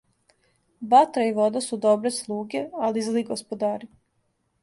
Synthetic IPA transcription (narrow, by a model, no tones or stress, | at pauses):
bat̪ɾaiʋo̞d̪asud̪obɾeslˠuːɡealizliɡospod̪aːɾi